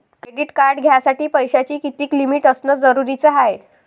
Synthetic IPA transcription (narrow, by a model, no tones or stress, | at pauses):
kɾeɽiːʈkaɾɖɡʱjasaʈiːpəjɕat͡ɕiːkit̪iːklimiʈəsnəd͡zəɾuɾit͡səɦaj